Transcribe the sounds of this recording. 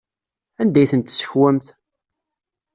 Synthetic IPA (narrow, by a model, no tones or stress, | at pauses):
ænd̪æjθənt̪ːsə̥çwæmθ